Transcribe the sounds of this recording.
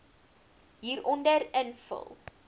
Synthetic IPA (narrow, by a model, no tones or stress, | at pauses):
ɦiːɾʔɔndərənfə̰lˠ